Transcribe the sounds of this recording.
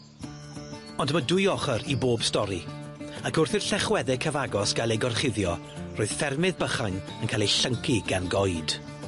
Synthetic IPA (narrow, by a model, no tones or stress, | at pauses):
ɔndəmədʊjɔχəɾiboːbstɔɾi | akʊrθɪrɬɛχwɛðɛkʰəvaɡɔsɡ̥alˠejɡɔrχɪðjɔ | roːɨð̥fɛrmɪðbəχajn | ənkʰalˠejɬəŋkʰiɡ̥anɡɔjd̥